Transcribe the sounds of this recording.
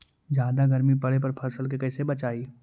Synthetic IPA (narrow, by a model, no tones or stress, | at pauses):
d͡ʒjaːd̪aɡɐɾmipɐɽep̬ɐɾpʰɐsəlkekɐːsebɐt͡ʃaːiː